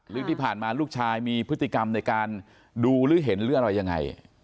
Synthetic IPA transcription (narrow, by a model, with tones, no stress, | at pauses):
lɯː˦˥˨t̪iː˥˩pʰaː˨˩nmaː˧luː˥˩k̚t͡ɕʰaː˧jmiː˧pʰɯ˦˥t̪ʰːi˨˩ka˧mna˧jkaː˧n | duː˧ɾɯː˦˥ɦe˩˦nɾɯː˦˥˩əʔɾa˧jːa˧ŋːa̰˧j